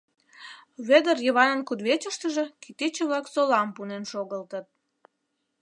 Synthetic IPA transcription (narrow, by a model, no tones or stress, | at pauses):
βed̪ərjəβɑnənkud̪βet͡ɕəʃt̪əʒĕkit̪it͡ɕə̆βlɑksolɑmpunenʃoɣəlt̪ət̪̚